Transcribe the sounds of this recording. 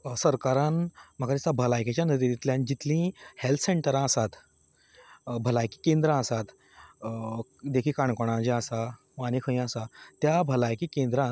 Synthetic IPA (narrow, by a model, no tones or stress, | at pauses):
səɾkaɾãnm̤əkad̪isabʱəlajket͡ɕjanəd̪id̪it̪ljãnd͡ʑit̪lĩhelt̪ʰseɳʈəɾãəsat̪ | bʱəlajki̥kẽnd̪ɾãəsat̪ | d̪ekʰiːkaɳkoɽ̃ãd͡ʑeəsa | ʋanikʰə̃j̃əsat̪jabʱəlajkikẽnd̪ɾã